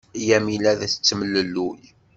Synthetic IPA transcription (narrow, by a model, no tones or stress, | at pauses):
jæmilæðæθə̥t͡sːəməlːəlːuj